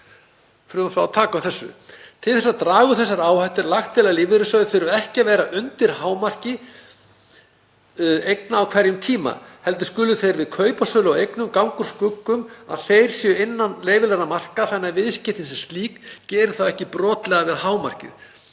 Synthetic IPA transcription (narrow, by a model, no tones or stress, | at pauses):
fɾʏmafɾawat̪ʰaːkaθɛsːʏ̰t̪ʰɪlθɛsːat̪ɾaːɣʏθɛsːaɾaːwhajt̪ʏɾlaxt̪ʰːɪlalɪːvɪɾʏsœːðθeɾʏɛhcɪavɛːɾaʔʏnt̪ɪɾ̥haːwmar̥cɪ | ejknaːwkʰvɛɾjʏmt̪ʰiːma̰hɛlt̪ʏ̥skʏlʏθejɾvɪðkʰœːɥpasœːlʏawejknʏmkawŋkʏɾ̥skʏkːʏma̰ðθejɾ̥sjɛœɪnːanleːjvɪlɛɾamar̥kaθanːaɾvɪðscɪht̪ɪnsɛmst̪liːkcɛːɾɪ̥θawɛhcɪpɾɔːt̪lɛɣavɪðhaːwmar̥cɪ̰ð